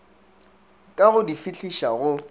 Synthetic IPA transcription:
kʼaɣʊdifiɬʰiʃaɣʊ

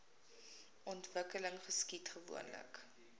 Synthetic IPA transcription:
ʔɔntvəkələŋχəskitχəvṵənlə̰k

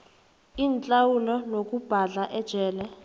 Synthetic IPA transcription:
iːnt͡ɬʼawulɔnok̬ʼub̥ʱaɮaʔɛd̥ʒ̥ʱɛːlɛ

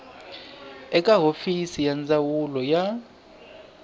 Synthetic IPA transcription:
ɛkʼaɦofisijand͡zawulɔja

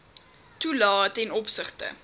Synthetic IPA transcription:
tulɑːtɛnɔpsəχtə̰

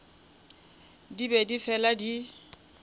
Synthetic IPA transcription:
dibedifɛladi

